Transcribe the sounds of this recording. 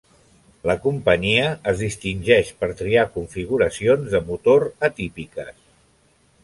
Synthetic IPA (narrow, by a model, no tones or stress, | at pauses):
ləkumpəɲiəːzðist̪inʲʒɛʃpəɾt̪ɾiakuɱfiɣ̞uɾəsionzðəmut̪oɾət̪ipikəs